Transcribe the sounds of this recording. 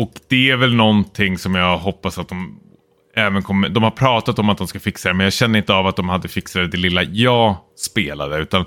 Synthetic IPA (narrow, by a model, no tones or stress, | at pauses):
ɔkd̪ɛæɾvɛlnɔnt̪ʰɪŋːsɔmjɑːɦɔpːasat̪̚d̪ɔm | ɛːvənkʰɔmːəd̪ɔmhaɾpʰɾɑːt̪at̪ɔmat̪̚d̪ɔmskafɪksad̪ɛmɛnjɑːɡɕɛnːəɾɪnt̪əavat̪̚d̪ɔmhad̪ːəfɪksad̪əd̪ɛlɪlːajɑːspeːla̰d̪əʉ̟ːt̪an